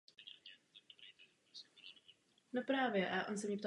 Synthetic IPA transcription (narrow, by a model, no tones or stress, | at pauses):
nopɾaːvjɛʔaʔonsɛmɲɛpt̪a